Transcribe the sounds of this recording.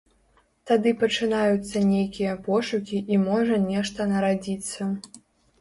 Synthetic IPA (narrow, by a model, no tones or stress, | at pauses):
t̪ad̪ɨpɐt͡ʂɨnajut̪sːɐnʲejkʲijɐpɔʂukʲiʔimɔʐɐnʲɛʂt̪ɐnɐɾad͡zʲit̪sːɐ